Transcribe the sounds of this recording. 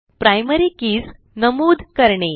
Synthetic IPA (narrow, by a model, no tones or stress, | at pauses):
pɾajməɾikiːs | nəmuːd̪ʱkəɾɳe